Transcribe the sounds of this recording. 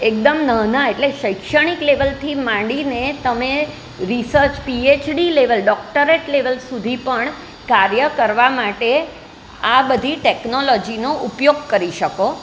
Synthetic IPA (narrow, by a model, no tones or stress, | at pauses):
ek̚d̪əmnəɦnaeʈleʃəjkʃəɽ̃ikleʋəlt̪ʰimãɖinet̪əme | ɾisəɾt͡ʃpiet͡ʃɖileʋəlɖɔk̚ʈəɾeʈleʋəlsud̪ʱipəɳ | kaɾjəkəɾʋamaʈe | abəd̪ʱiʈeknolɔd͡ʒinoʔupjoɡ̚kəɾiʃəko